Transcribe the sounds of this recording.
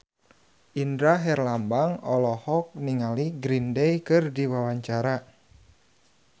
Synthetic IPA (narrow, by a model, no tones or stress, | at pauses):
ʔindɾaɦɛrlambaŋɔlɔhɔk̚niŋaliɡɾindɛjkɨrdiwawaɲt͡ʃaɾa